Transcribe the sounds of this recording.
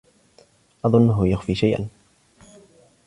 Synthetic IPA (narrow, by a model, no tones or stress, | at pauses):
ʔɑðˤʊnːɦʊjaxfiːʃajʔa̰n